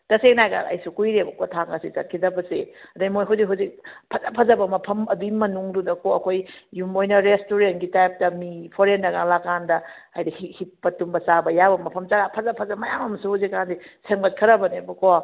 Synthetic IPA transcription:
tɐseknajka̰ŋɐ̰jsukujɾebɐkotʰaŋɡɐsit͡ʃɐt̚kʰidɐbɐseɐdɐmojɦuzikɦuzik̚pʰɐzapʰɐzɐbɐmɐpʰɐmɐbimɐnuŋdudɐkoɐkʰojjumojnɐɾestoɾentɡitajp̚tɐmipʰoɾenːɐɡaŋlakandɐajdɐhihipːɐtumbɐsabɐjabɐmɐpʰɐmt͡ʃaɡapʰɐzapʰɐzɐmɐjamɐmɐsuhuzikːandiseŋbɐt̚kʰɐɾɐbɐnebɐko

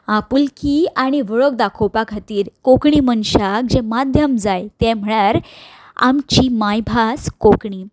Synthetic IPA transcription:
apulkiaɽ̃iʋəɭok̚d̪akʰopakʰat̪iːɾkokɳiːmənɕak̚d͡ʑẽmad̪ʱjəmd͡zajt̪ɛ̃m̤əɭaɾ | a̰mt͡ɕiːmajbʱaskokɳiː

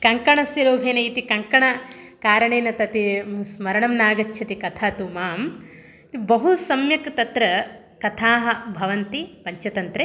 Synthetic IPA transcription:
kɐŋkɐɳɐsjɐɾoːbʱeːnɐit̪ikɐŋkɐɳɐ | kaːɾɐɳeːnɐt̪ɐt̪ismɐɾɐɳɐmnaːɡɐt͡ʃːʰɐt̪ikɐt̪ʰaːt̪umaːm | t̪bɐɦusɐmjɐkt̪ɐt̪ɾɐ | kɐt̪ʰaːɦɐ̆bʱɐʋɐnt̪ipɐɲt͡ʃɐt̪ɐnt̪ɾe

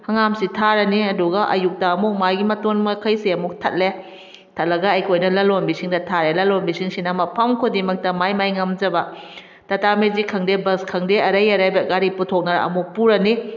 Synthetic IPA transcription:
hɐŋamsitʰaɾɐniɐduɡɐʔɐ̰juk̚daːmuk̚maɡimɐtonmɐkʰɐjseɐmuk̚tʰɐ̰t̚le | tʰɐt̚lɐɡɐːjkʰojnɐlɐlonbisiŋdɐtʰaɾelɐlonbisiŋsinɐmɐpʰɐmkʰodimɐk̚tɐmajmajŋɐmd͡ʒɐbɐ | tɐtamezikʰɐŋdebɐskʰɐŋdeɐɾɐjɐɾajbɐɡaɾiputʰok̚nɐɾɐ̰muk̚puɾɐni

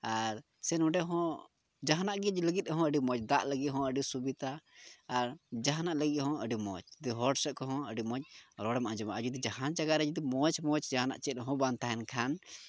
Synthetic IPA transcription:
aɾ | sɛnɔ̃ɖɛɦɔ̃ | d͡ʒaɦanaʔɡɛd͡ʒləɡit̪̚ˀɦɔ̃əɖimɔt͡ʃd̪aʔləɡit̪ɦɔ̃əɖisubit̪aː | ɾd͡ʒaɦanaʔləɡiʔhɔ̃əɖimɔ̰t͡ʃd̪iɦɔɖsɛʔkɔɦɔ̃əɖimɔt͡ʃɾɔɽɛmaʔãd͡ʒɔmaʔəd͡ʒud̪id͡ʒaɦand͡ʒaɡaɾɛd͡ʒd̪imɔt͡ʃmɔt͡ʃd͡ʒaɦana̰ʔt͡ʃɛt̪̚ɦɔ̃bant̪aɦɛnkʰan

